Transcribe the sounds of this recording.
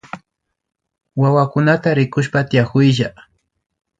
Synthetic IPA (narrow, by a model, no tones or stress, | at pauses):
wawakʊnat̪aɾɪkʊʃpat̪ɪjakʊjʒa